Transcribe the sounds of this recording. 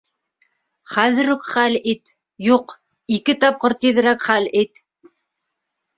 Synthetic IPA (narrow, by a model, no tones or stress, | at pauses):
χæðɘɾukχælit̪ | juq | ikɘt̪ɑp̚qɤɾt̪iðɘ̆ɾækχælit̪